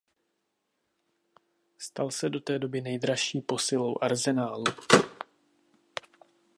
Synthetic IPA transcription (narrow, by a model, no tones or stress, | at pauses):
st̪alsɛdo̞t̪ɛːdo̞bɪnɛjd̪ɾaʃiːpo̞sɪlo̞wʔaɾzɛnaːlu